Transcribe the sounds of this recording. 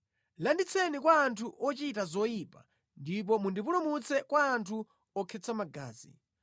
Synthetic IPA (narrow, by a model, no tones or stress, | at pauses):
landit͡sʰɛnikwaːntʰuʔɔt͡ʃitazɔjiːpa | ndip̬ɔmundipulumut͡sɛkwaːntʰu | ɔkʰɛt͡samaɡa̰ːzḭ